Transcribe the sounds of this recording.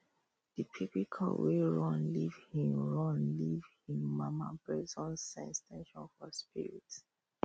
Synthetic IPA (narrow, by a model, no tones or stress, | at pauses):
d̥itʰipikʰa̰lweɹɔ̃nlivhĩmɹɔ̃nlivhĩmːamapɹɛzɔ̃nsãnstẽʃɔ̃nfɔspiɹḭt